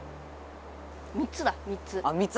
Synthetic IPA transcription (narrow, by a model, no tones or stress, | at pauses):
mʲitt͡sɨd̪amitt͡sɨamitt͡s